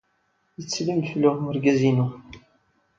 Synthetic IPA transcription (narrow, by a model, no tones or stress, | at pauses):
jət͡sːlimfəlʊʁməɾɡæzinʊ